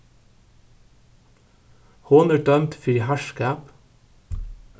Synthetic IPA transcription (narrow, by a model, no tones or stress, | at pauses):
hoːnəɖœmt̪fiːhæʃkæːp